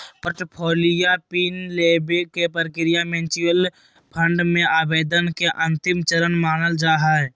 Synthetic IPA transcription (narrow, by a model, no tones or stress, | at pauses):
pəɾʈpʰoːlɪjapiːnleːbekepəɾkɪɾɪjamẽnt͡ʃɪjəl | pʰə̃ɳɖmẽaːbeːd̪ənkeʔə̃nt̪ɪmt͡ʃəɾənmaːnəld͡ʒaːɦaːɛ